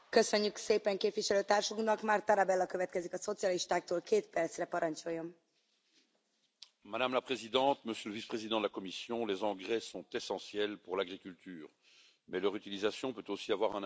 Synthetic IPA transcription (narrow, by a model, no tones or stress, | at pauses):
køsøɲːykseːpɛŋkeːpviʃɛløːt̪aːrʃuknɒkmaːrt̪aɾabɛlːɒkøvɛt̪kɛzikɒso̞t̪sijɒliʃt̪aːk̚t̪oːlkeːt̪pɛrt̪srɛpɒɾɒɲt͡ʃo̞jːo̞m | mad̪amlapχezid̪ɑ̃t̪məsjøləvispχezid̪ɑ̃d̪əlakɔmisjɔ̃lezɑ̃ɡʁɛsɔ̃t̪ɛsɑ̃sjɛlpuʁlaɡʁikʲylt̪ʰyːʁ | mɛlœʁyt̪ilizasjɔ̃pøt̪osiavwaʁɛ̃n